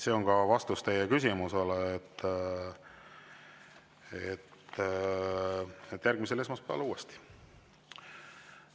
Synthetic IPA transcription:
se̞o̞ŋkɑvɑst̪ust̪e̞jekysʲimuseleːt̪ː | et̪ː | et̪ːˑjærɡ̥misele̞smɑspeɑ̰luːest̪i̥

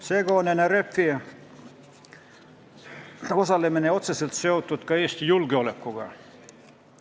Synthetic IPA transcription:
seɡonenerepfi | osɑlːemeneot̪seselt̪seut̪ːut̪kɑeːst̪ijulɡ̥eolekːuɡ̥ɑ̰

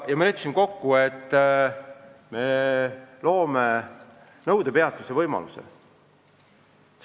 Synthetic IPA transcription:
jɑmɑlepːsinko̞kːue̞t̪ːˑ | me̞ | lo̞ːme | nɤwd̪̥e̞pe̞ɑt̪ˑːuse̞vɤjmɑ̰lusḛ | s

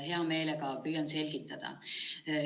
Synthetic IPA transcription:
heæomeilekɑːpyjːɑnselkit̪ːæd̪ɑ̰

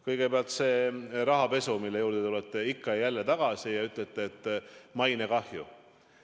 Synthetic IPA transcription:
kɤjɡ̥e̞peɑlt̪se̞ːɾɑɦɑpe̞sumilːe̞juːɾd̪̥et̪ulet̪ːˑeikːɑjælːet̪ɑɡ̥ɑsijɑyt̪let̪ːˑeːt̪ːˑmɑjnekɑhju

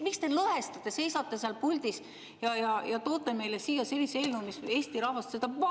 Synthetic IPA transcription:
mikst̪e̞lɤɦest̪ɑt̪ːˑese̞jsɑt̪ːˑeseɑlpulʲd̪is | jɑjɑjɑt̪o̞ːt̪ˑːeme̞jlesiːjɑselʲːiselnumise̞ːsʲt̪iɾɑhvɑst̪se̞d̪ɑp

